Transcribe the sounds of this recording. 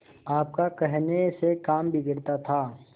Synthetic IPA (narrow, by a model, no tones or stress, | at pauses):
aːp̚kakɛɦnesekaːmbʱiɡɪɾt̪at̪ʰaː